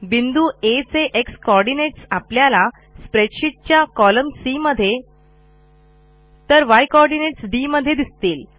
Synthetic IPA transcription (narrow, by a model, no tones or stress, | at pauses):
bind̪uet͡seʔekskɔɾɖineʈsapljala | spɾeʈɕiʈ̚t͡ɕjakɔləmsiməd̪ʱːje | t̪əɾʋajkɔɾɖineʈsɖiməd̪ʱːjed̪ist̪iːl